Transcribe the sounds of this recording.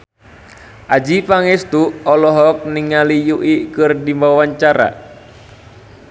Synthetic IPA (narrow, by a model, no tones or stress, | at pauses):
ʔad͡ʒipaŋɛst̪uɔlɔɦɔk̚niŋalijuʔikɨrdimbawaɲt͡ʃaɾa̰